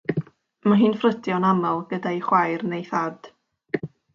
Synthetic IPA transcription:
maɦɨːnfrədjɔnamalˠɡədaiχwajrnejθad̥

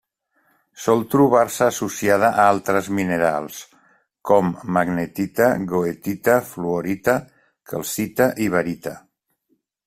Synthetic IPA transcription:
sɔlˠt̪ɾuβ̞aɾsəːsusiað̞əʔaalˠt̪ɾəzmineɾa̰lˠs | kɔmːaɡnet̪it̪aɣoet̪it̪afluoɾit̪ə | kʰə̰lˠsit̪aʔiβaɾit̪a

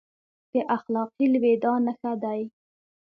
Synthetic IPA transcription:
pəʔaxlɑqilwed̪ɑnəxad̪aj

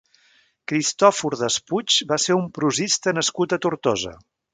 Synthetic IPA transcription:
kɾist̪ɔfuɾðəsput͡ʃbaseumpɾuzist̪ənəskut̪ət̪uɾt̪ɔzə̰

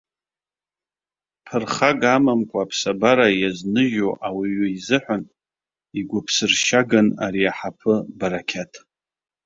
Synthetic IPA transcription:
pʰɨrχaɡamamkʷʼaːpʰsabaɾajaznɨʒoʔawiɥʊizɨħᶣʷan | iɡʷʊpʰsɨrʃaɡana̰ɾiaħapʰɨbaɾakʲʰatʰʼ

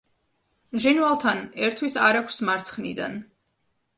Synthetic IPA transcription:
ʒinvalˠt̪ʰanɛɾt̪ʰwisaɾakʰʷsmaɾt̪sʰχnḭd̪a̰n

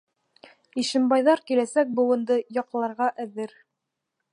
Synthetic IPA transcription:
iʃɘ̆mbɑjðɑɾkilæsæk̚bŭwɤ̆nd̪ɤjɑqlˠɑɾʁɑʔæðɘɾ

